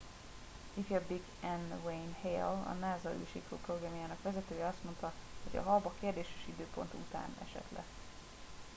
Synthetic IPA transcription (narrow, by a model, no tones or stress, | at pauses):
ifɛbiɡ | ɛnwejnhejɛ̰lɒ̰naːzɒy̰ːʃikuproɡrɛmijaːnɒkʋɛzɛt̪øːjɛɒst̪mo̞nt̪ɒho̞ɟɒ̰ɦɒbɒkeːrd̪eːʃe̥ʃid̪øːpo̞̰nt̪ṵt̪a̰ːnɛ̰ʃɛ̰t̪lʔɛ̰̥